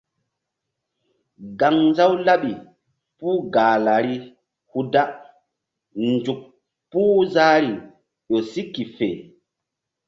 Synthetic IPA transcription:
ɡa˨ŋnza˦wla˦ɓi˨ | puː˦ɡaː˨la˨ɾi˦ | hu˦da˦ | nd͡ʒu˨k̚ | puː˦za˦ɾi˨ | ɗo˨si˦kːi˨fḛ˨

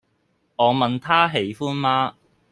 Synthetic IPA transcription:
ŋɔː˨˧mɐ˨nt̪ʰaː˥ɦe˨˧˥jfuː˥nmaː˥

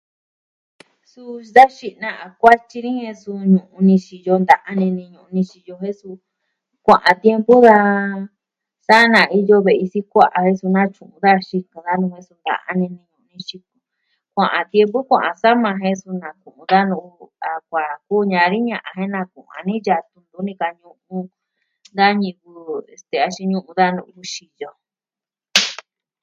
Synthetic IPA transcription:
su˧d̪a˦ʃi˧nã˧a˨˧kʷa˦t͡ʃi˧nĩ˦hẽ˧su˧ɲũ˨ʔũ˧nĩ˧ʃi˧jo˧nd̪a˧ʔã˦nĩ˧nĩ˧ɲũ˧ʔũ˧nĩ˧ʃi˧jo˧ɦẽ˦su˧ | kʷã˧˨ʔã˨t̪je˧mbu˦ða˧ | sa˦nã˨i˧jo˧βe˨ʔi˧si˦kʷa˦ʔa˨hẽ˦su˧nã˦˧t͡ʃũ˨ʔũ˧ða˦ʃi˧kã˧ða˦nũ˧hẽ˧˦su˧nd̪a̰˧˨ʔa̰˦nĩ˧nĩ˧ɲũ˧˨˧nĩ˧ʃi˧ku̥˧ | kʷã˨ʔã˨t̪je˧mpu˦kʷã˨ʔã˧sa˦mã˧ɦẽ˦su˧nã˨kũ˨ʔũ˧ða˦nũ˧a˨kʷa˨kuː˦ɲã˧ɾi˦ɲã˧ʔã˧ɦẽ˦nã˧kṵ̃˨ã̰˨nĩ˦ja˧t̪ũ˧nd̪u˧˦nĩ˧ka˧ɲũ˧ũ˧ | nd̪a˦ɲĩ˧ku˧e˨st̪e˧a˧ʃi˧ɲũ˦˧ʔũ˧ða˦nṵ̃˧ju˧ʃi˧jo˧

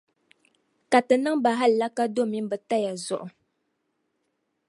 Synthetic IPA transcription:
ka˨tɨ˨nɨ˦ŋba˨ɦa˦lla˦ka˦do˦mi˦m˦bə˨ta˦ja˨zɔ˨ʔʊ˨

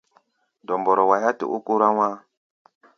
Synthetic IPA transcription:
dɔ˨mbɔ˨ɾɔ˨wa˨ja˦tḭ˨ʔu˦ku˦ɾa˦wa˦

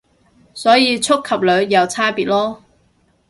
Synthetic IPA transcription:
sɔː˨˥jiː˨˧t͡sʰʊ˥kʰːɐ˨p̚lœː˨˧ɥjɐ˨˧wt͡sʰaː˥piː˨t̚lɔː˥

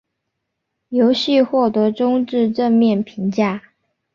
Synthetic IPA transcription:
jo˧˥ʊɕi˥˧xwɔ˥˩t̪ɤ˧˥ʈ͡ʂʊ˥ŋʈ͡ʂɻ̩˥˧ʈ͡ʂə˥˧nmjɛ˥˩npʰi˧˥ŋt͡ɕja˥˩

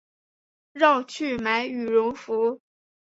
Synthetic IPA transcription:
ɻɑ˥˧ʊt͡ɕʰy˥˩ma˧˥ɪy˨˩ɻʊ˧˥ŋfu˧˥

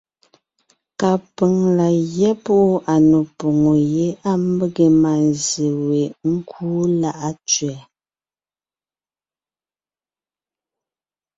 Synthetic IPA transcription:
ka˨pə˨ŋla˨ɣjɛ˦pu˦ʔu˦ʔa˨no˨po˨ŋo˨je˨˦a˦m̩˦bə˦ɣe˨ma˨n˨ze˨we˨ŋ̩˦kʰuː˦la˦ʔa˦t͡ʃɥɛ˨

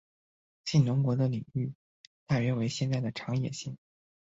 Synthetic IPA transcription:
ɕi˥˩nnʊ˧˥ŋkwɔ˧˥d̪ə˧li˨˩ŋy˥˧ | t̪a˥˩ɥɛ˧˥we˧˥ɪɕjɛ˥˧nt͡sa˥˩ɪd̪ə˩ʈ͡ʂʰɑ˧˥ŋjɛ̰˨˩ɕi˥˩ŋ

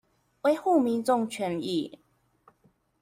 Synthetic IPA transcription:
we˧˦ɪxu˥˨mi˧˦nt͡sɔ˥˨ŋt͡ɕʰɥɛ˧˥ni˥˨

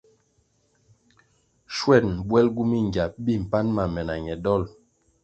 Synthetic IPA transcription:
ʃwɛ˦˨nbwɛ˦lɡu˦mi˦˨ŋɡa˨p̚bi˦˨m̩˨pa˦nma˨mɛ˨na˨ɲɛ˨dɔ˦˨l

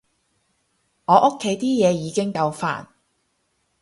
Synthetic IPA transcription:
ŋɔː˨˧ʔʊ˥kʰːe˨˧˥jt̪iː˥jɛː˨˧jiː˨˧kɪ˥ŋkɐ˧wfa̰ː˨n

